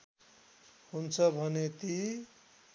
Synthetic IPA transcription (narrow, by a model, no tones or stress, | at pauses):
hunt͡sʰʌbʱʌnet̪i